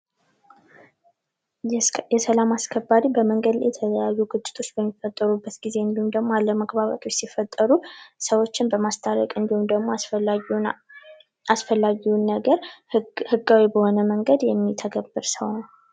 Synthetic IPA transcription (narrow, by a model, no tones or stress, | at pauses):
jɛsəlamaskʰəbːaɾibəməŋɡəd̪l̰jɛt̪ʰələjajːuɡɨt͡ʃʼːɪ̥t̪ʰo̞t͡ʃːbəmːifət̪ʼːəɾubːət̪ɡize̞ɨnd̪ihumd̪əɡmoalːəməɡbaβa̰t̪ʰwot͡ʃsifət̪ʼːəɾusəwo̞t͡ʃːɪnbəmast̪ʰʼaɾə̰kʼɨnd̪ihumd̪əɡmo | asfəlːaɡiunːəɡəɾhɨɡːawibəhonəməŋɡəd̪jɛmːit̪ʰəɡəbːɨɾsəwnəw